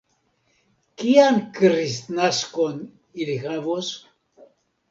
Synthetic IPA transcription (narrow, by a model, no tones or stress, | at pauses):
kiankɾisnaskon | ilixavos